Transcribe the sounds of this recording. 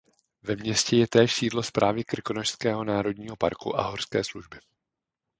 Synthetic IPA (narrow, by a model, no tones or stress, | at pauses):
vɛmɲɛscɛjɛt̪ɛːʃsiːdlo̞spɾʔaːvɪkrkonoʃskɛːɦo̞naːɾo̞dɲiːɦo̞pa̰ɾkṵʔa̰ɦorskɛ̰ːsluʒbɪ